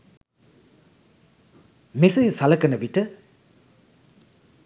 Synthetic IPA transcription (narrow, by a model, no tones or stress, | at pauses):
misɐjsalɐkːɐnɐbitɐ